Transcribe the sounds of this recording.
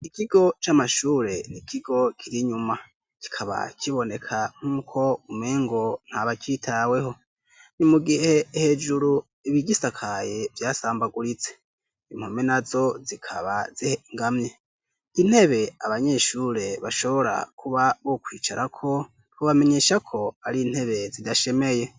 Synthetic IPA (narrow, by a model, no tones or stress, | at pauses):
ikiɡo̞t͡ʃamaʃuːɾe̞nikʰiɡo̞kʰiɾiɲuma | ki̥kʰaβa̰kʰiβo̞ne̞kʰaŋ̥huːkʰo̞umeːŋɡo̞n̥haβakitʰawe̞ɦo̞ | nimuɡihe̞he̞d͡ʒuɾu | iβiɟisakʰajevjaːsaːmbaɡuɾit͡se̞̥ | im̥homenazo̞zikʰa̰βaz̥iheŋɡamɲe̞ | in̥he̞βe̞aβaɲe̞ʃuːɾe̞βaʃo̞βo̞ɾa̰kʰuβaβokwiːt͡ʃaɾʔakʰo̞ | hoβame̞ɲe̞ʃakʰo̞aɾiːn̥he̞βe̞zidaʃe̞me̞je̞